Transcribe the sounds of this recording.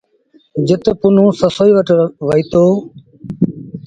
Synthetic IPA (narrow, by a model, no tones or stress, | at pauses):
d͡ʒɪt̪pʊnũːsəsoːiːʋəʈʋəiːt̪oː